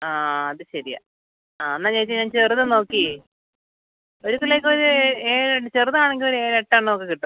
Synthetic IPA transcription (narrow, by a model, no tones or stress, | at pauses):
aːɐðɨɕɐɾija̰ | aːɐnːaːt͡ɕejt͡ɕːɨɲaːnt͡ɕerðɨno̞ːkːi | oɾukːuleːkːoɾueːɾet͡ɕerðɐaːɳeŋɡilo̞ɾue̞ːɾeʈːaːɳɨnoːkːekːiʈːu